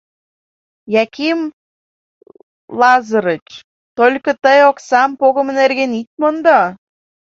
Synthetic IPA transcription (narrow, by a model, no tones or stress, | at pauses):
jɑkim | lɑzə̆ɾət͡ɕ | t̪olʲkɤ̆t̪əjoksɑmpoɣə̆mə̆nerɣenit̪̚mənd̪ɑ